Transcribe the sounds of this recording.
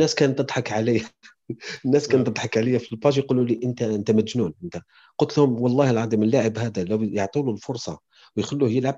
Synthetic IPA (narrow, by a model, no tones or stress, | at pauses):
nːæskænt̪ːəd̪ˤħɑkʕalijæ | ənːæskænt̪əd̪ˤħɑkʕaləjːæfilbɑʒjqululiʔənt̪æʔənt̪æmæt̪ʒnunʔənt̪æ | qʊlt̪lhʊmwɑlˤːɑhəlʕɑd̪imənlːaʕəbhæd̪ælæwjəʕt̪ˤululfʊɾˤsˤɑ̰ | wjxəlːuhjəlʕab̚